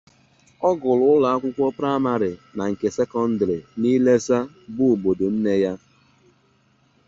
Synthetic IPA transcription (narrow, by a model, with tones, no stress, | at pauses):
ɔ˦ɡʊ˨lʊ˨˦ʊ˦la˨a˦kʷʊ˦kʷɔ˦pɾa˦ma˦ɾɪ˨na˨ŋ̩˨ke˨se˦kɔ˦n̩˦dɾi˨ni˦le˦sa˦ | bʊ˦˨ɡ͡bo˨do˨n̩˦ne˦ja˦